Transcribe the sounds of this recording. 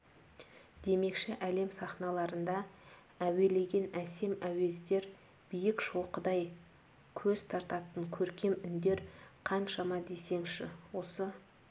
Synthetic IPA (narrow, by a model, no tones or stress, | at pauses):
d̪̥e̞me̞kʃɪʔæle̞msɑχnɑlˠɑɾənd̪ɑ | æwe̞le̞ɡʲe̞næse̞mæwe̞zd̪e̞ɾ | b̥ijɪkʃo̞qəd̪ɑj | kʲʰɵzt̪ʰɑɾt̪ɑt̪əŋkʲʰɵɾkʲe̞mʏnd̪e̞ɾqʰɑnʃɑmɑd̪e̞se̞ŋʃɪwo̞sə